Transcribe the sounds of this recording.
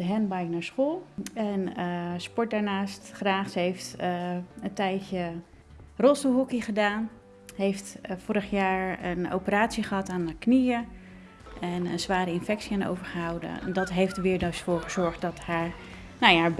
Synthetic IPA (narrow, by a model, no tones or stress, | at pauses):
dəɦɛnbajknaːɹsχoːlˠɛnəspɔɹt̚daːɹnaːstχraːχsəɦeft | əntɛjcə | rostəɦukiχədaːn | ɦejftfʊɾəχjaːɹəno̰wpəraːtsiχəɦɑtaːnaknijə | ɛnə̰nzʋaːɾəɪnfɛksiano̰wvəɹχəɦawdə̰dɔtɦejftdəʋɪːɹdosfʊːɹχəz̥ɔɹχtdɔthaːɹ | noja